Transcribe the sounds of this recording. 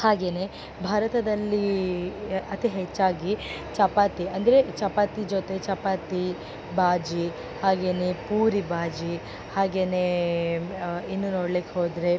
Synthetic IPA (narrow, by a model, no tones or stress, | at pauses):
haːɡe̞ːne | bʱaːɾɐt̪ɐd̪ɐlːi | ɐt̪iɦet͡ʃːaːɡi | t͡ʃɐpaːt̪iɐnd̪ɐɾet͡ʃɐpaːt̪id͡ʒot̪e̞t͡ʃɐpaːt̪i | bʱaːd͡ʒi | haːɡe̞ːnepuːɾibʱaːd͡ʒi | haːɡe̞ːne | inːunoːɽliːkeɦoːd̪ɾe